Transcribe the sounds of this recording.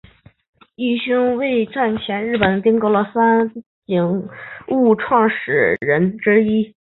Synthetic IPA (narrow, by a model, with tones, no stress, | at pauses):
i˥˩ɕy˥ŋwe˥˧ɪʈ͡ʂa˥˩nt͡ɕʰjɛ˧˥nɻɻ̩˥˩pə˨˩nt̪i˥ŋko˧˥lə˧˥˩sa˥nt͡ɕi˧˩ŋu˥˩˧ʈ͡ʂʰwɑ˥˩ŋʂɻ̩˨˩ɻə˧˥nʈ͡ʂɻ̩˥i˥